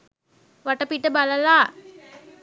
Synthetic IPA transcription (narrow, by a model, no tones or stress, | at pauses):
ʋaʈɐpiʈːəbalɐlaː